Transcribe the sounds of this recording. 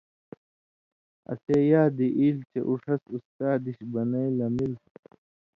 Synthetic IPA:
ɐ̰seːjaːd̪iʔiːlt͡ɕeʔuʂɐsust̪aːd̪iɕbɐnɐilɐmil

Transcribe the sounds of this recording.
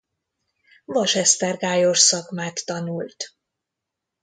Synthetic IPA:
vɒʃɛst̪ɛrɡaːjoʃsɒkmaːt̪ːɒnult̪

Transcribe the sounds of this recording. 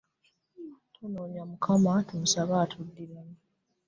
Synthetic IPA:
tʰunoːɲamukʰamatimusaβaːtʰudːiɾam

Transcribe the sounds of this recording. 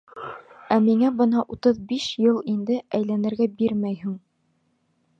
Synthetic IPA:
æmiŋæbɤ̆nɑʔut̪ɤðbiʃjɤlˠind̪ɘæjlænɘ̆ɾɡæbiɾmæjhɘŋ

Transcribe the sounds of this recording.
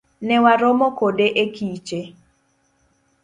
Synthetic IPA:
nɛwaɾomɔkodeʔekit͡ʃe

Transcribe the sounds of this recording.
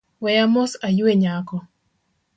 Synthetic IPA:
wɛjamɔsajueɲakɔ

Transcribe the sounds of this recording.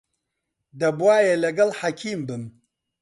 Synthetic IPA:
d̪ɐbwaːjelɐɡɐlħakʲʰiːmbɨm

